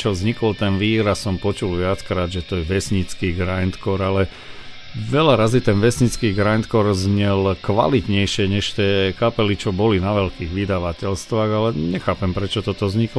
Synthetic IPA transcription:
t͡ʃɔzɲikɔlt̪ɛnʋiːɾasɔmpɔt͡ʃulʋɪat͡skɾaːd̪ʒɛt̪ɔjɛʋɛsɲit͡skiːɡɾajnt̪kɔɾalɛ | ʋɛlaɾazit̪ɛnʋɛsɲit͡skiːɡɾajnt̪kɔɾzɲɛlkʋa̰lit̪ɲɛjʃɪɛɲɛʃt̪ɛːkapɛlit͡ʃɔbɔlinaʋɛlkiːɣʋid̪aʋacɛlst̪ʋaːɣalɛɲɛxaːpɛmpɾɛt͡ʃɔt̪ɔt̪ɔzɲiklɔ

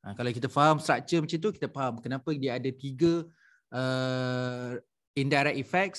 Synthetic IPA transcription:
ʔakalawkit̪afaɦamst̪ɾak̚t͡ʃəmət͡ʃint̪̬uki̥t̪afaɦamkənapədiaadat̪iɡə | ə | indajɾɛk̚ifɛk̚s

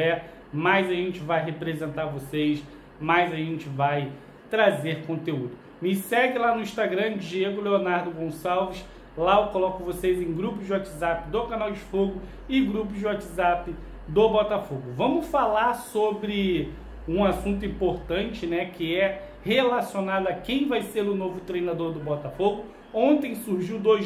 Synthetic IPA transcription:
ɛ | majzaʒẽnt͡ʃɪvajɦepɾezẽnt̪aɾvosejs | majzaʒẽt͡ʃɪvaj | t̪ɾazeɾkõt̪eud̪ʊ | mɪsɛɡɪlanʊĩʃt̪aɡɾɐ̃d͡ʒieɡʊleonaɾd̪ʊɡõsawviʃ | laokolɔkʊvosejzẽj̃ɡɾupʊzd͡ʒɪwat͡ʃɪzapɪd̪okanawd͡ʒɪfoɡʊ | ɪɡɾup̬ʊzd͡ʒɪwat͡ʃɪzapɪ | d̪obɔt̪afoɡʊvɐ̃mʊsfalaɾsobɾɪ | ũasũnt̪ʊĩpoɾt̪ɐ̃nt͡ʃɪnɛkɪɛ | helasionad̪ʊakẽj̃vajseɾʊnovʊt̪ɾejnad̪oɾd̪ʊbɔt̪afoɡʊ | õnt̪ẽj̃suɾʒiwd̪oj

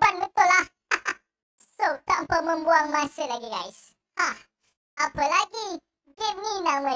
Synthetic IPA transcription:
banbət̪ʊlah | a | sot̪aʔmpəmə̃mbuaŋmasəlaɡiɡa̰js | hah | ʔapəlaɡi | ɡem̚ninamə

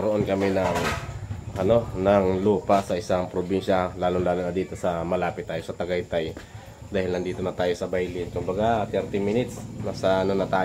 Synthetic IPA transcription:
ɐɾoʔo̞nkɐmɛnɐŋ | ʔɐno̞nɐŋluːpasɐʔɪsaŋpɾobinʃɐlaːlonlaːlonɐd̪iːt̪o̞sɐmɐlaːpɪt̪ːaːjo̞sɐt̪ɐɡajt̪aj | d̪aːhɪlnɐnd̪iːt̪o̞nɐt̪aːjo̞sɐbajlɪnkʊmbɐɡat̪ɛɾt̪ɪmɪnɪt̪snasɐɐnonɐt̪aː

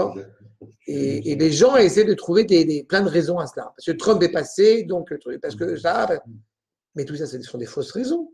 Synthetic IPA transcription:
ɔ | eːleʒɑ̃esɛjed̪ət̪χuved̪ed̪eplɛ̃d̪əʁezɔ̃asla̰paʁskət̪χœ̃mpɛpased̪ɔ̃kt̪paʁsə̥kəsapa | mɛt̪usasɛsɔ̃d̪efosʁezɔ̃

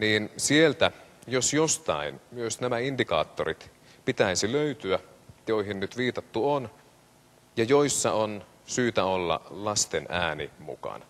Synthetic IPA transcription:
niːnsielt̪æjosjost̪ɑ̰inmyøsnæmæindikɑ̰ːt̪ːorḭt̪ | pit̪æisiløyt̪yæjoiɦinnyt̪ʋiːt̪ɑt̪ːuon | jɑjoisːɑon | syːt̪æolːɑ̰lɑst̪enæːnḭmṵkɑ̰nɑ

